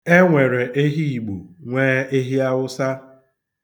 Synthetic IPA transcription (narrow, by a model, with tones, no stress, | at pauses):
e˦ŋʷe˨ɾe˨ʔe˦ɦi˦i˨ɡ͡bu˨ŋʷeː˦e˦ɦi˦a˦wʊ˦sa˦